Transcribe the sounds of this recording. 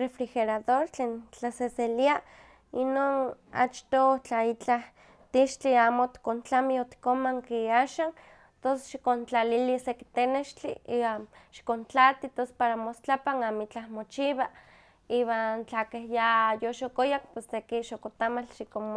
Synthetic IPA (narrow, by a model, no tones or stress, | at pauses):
refɾixeɾaðoɾt͡ɬeːnt͡ɬaseselia | inon | a̰t͡ʃt̪ot͡ɬait͡ɬah | t̪iʃt͡ɬiaːmot̪kont͡ɬamiot̪i̥komaŋkiaʃan | t̪onse̥sʃi̥kont͡ɬaliliseki̥t̪eneʃt͡ɬḭiwaʃi̥kont͡ɬat̪it̪ospaɾamost͡ɬapaŋamit͡ɬahmot͡ʃiβa | iːβant͡ɬakehjajoʃokojak̚pesːekiʃokot̪amalʃikom